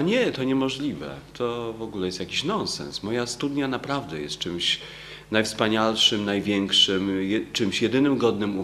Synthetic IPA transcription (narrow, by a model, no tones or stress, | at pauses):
aɲɛt̪ɔɲɛmɔʐlʲivɛ̰t̪ʰɔvɔɡulɛjɛst̪jakʲiɕnɔnsɛ̰nsmɔjast̪ud̪ɲanapɾavd̪ɛjɛst̪t͡ʂɘmɕ | najfspaɲalʂɘmnajvʲjɛŋkʂɘmjɛt͡ʂɘmɕjɛd̪ɘnɘmɡɔd̪nɘmu